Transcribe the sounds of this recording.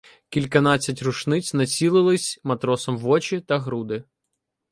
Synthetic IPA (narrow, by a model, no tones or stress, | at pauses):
kʲilʲkɐnɑt͡sʲːɐtʲrʊʃnɪt͡sʲnɐt͡sʲilˠɪlˠɪsʲmɐt̪ɾɔsɔmʋɔt͡ʃit̪ɐɦɾud̪ɪ